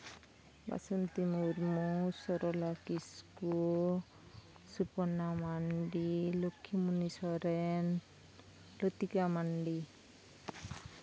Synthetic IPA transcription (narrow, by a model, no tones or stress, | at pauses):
ba̰sunt̪imuɾmusɔɾɔlakisku | supɔnamaɳɖilokʰːimunisɔɾɛn | lɔt̪ikamaɳɖi